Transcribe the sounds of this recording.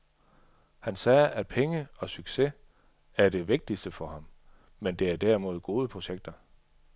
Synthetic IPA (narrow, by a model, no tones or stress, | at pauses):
hænsɛːʔæd̥̚pʰeŋəɒ̽syɡ̥se̝ | æɐd̥e̝ʋe̝ɡ̥̚d̥isd̥əfɒ̽hɑ̈m | mend̥e̝æɐd̥æɐimo̝ð̞ˠɡ̥o̝ːðˠəpʰʁo̝ɕeɡ̥̚d̥ɐ